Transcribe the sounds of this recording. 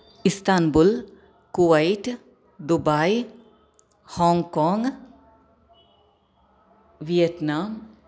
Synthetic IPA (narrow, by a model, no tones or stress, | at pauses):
ist̪anbul | kuʋajʈ | d̪ubaj | hɔŋkɔŋ | ʋiɛt̪nam